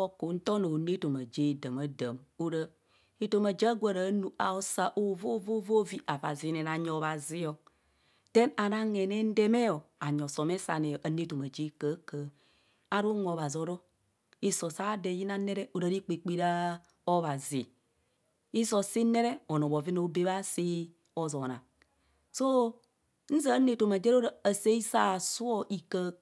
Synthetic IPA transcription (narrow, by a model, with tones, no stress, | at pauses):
o˦ko˨˦n̩˦to˦no˨ne˦to˨ma˨d͡ʒe˦˨də˨ma˦də˨mo˦ɾə˨ | i˦to˨ma˨d͡ʒa˦ɡʷa˦˨ɾa˨˦nu˨ʔa̰˨o˦sa˦ʔo˦˨vo˦vo˦vo˦vi˦ʔa˨va˨zi˨˦ne˨na˨ɲo˨˦βa˨zi˦o˨ | te˦na˨na˦ŋe˨ne˦n̩˦de˦me˦o˨a˨ɲo˨so˨me˦sa̰˨ne˨ʔa˨ne˦to˨ma˨d͡ʒi˦kə˦kə˨˦ | a˦ɾu˦ŋo˨βa˨zi˨o˨˦ɾo˦ | i˦so˨sa˦de˨˦ji˦na˦ne˦ɾe˦o˨ɾa˨ɾi˦k͡pi˨k͡pi˦ɾa˦ | o˦βa˨zḭ˨ | i˦so˨si˦ne˦ɾe˦o˨no˨bo˨vi˦no˨˦be˦βa˦si˦ | o˨zo˨na̰˨ | so˦ | n̩˦za˦ne˦to˨ma˨d͡ʒe˦ɾo˦ɾaː˨se˦i˦sa˦˨su˦o˦ʔi˨kə˦